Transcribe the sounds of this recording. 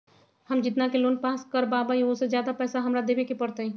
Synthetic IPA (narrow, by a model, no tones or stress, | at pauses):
hɐmd͡ʒɪt̪nakeloːnpaːskəɾbaːbaiosezjaːd̪apɛːsaɦɐmɾad̪eːbekepɐɽt̪eɛ̃ː